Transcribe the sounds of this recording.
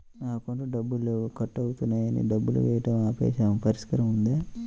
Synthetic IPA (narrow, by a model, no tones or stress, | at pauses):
naːkoɳʈuɖɐbːulukɐʈːɐwut̪unːaːjɐnḭɖɐbːulṵʋɛːjɐʈɐmaːpḛːʃaːmpɐɾɐskɐɾɐmund̪eː